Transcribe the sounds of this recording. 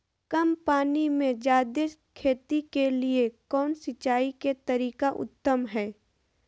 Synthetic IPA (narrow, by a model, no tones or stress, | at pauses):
kɐmpaːnimẽd͡ʒaːd̪ɪs | kʰeːt̪ikeliekɔːnsɪt͡ʃaːiket̪ɐɾiːkaʔʊ̰t̪ːəmɦɛː